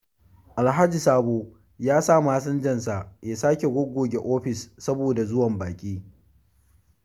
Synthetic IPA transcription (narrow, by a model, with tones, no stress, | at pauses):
ʔa˨lɦa˦d͡ʒi˨saː˦boː˦ | jaː˦saː˦˨maː˦sɐ˦nd͡ʒɐ˦ns̬a˨jaː˨saː˦kʲe˨ɡʷʊ˦ɡʷoː˨ɡʲe˨ʔoː˦ɸɪ˨sːɐ˦boː˨da˨zʊ˦wɐ˨mbaː˨kʲʼiː˦